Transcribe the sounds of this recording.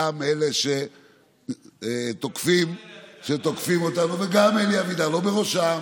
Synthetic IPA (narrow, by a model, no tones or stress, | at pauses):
ameleʃe | t̪okfimʃet̪o̞kfimo̞t̪amveɡameliavid̪alo̞beʁoʃam